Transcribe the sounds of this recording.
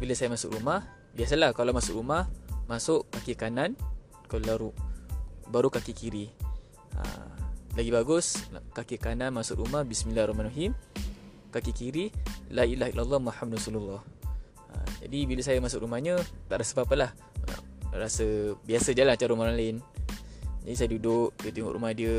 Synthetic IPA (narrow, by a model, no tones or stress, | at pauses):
biləsajəmasʊ̰kɾumah | biasalahkalawmasʊʔɾumahmasʊʔkakikanan | kalaɾu | baɾukakikiɾi | ə̰laɡibaɡʊskakikananmasʊ̰ʔɾumahbismĩlarɔhmanwaɦim | kakikiɾilailaɦailalːɑmahamdrɔsululːɑh | ə̰d͡ʒa̰dibiləsajəmasʊkʔɾumahɲət̪a̰ʔɾasəpapəlah | ə̰ɾasəbiasəd͡ʒalant͡ʃaɾəɾumalaɪn | d͡ʒadisajədudʊʔdət̪uŋo̰ʔɾʔṵmadiə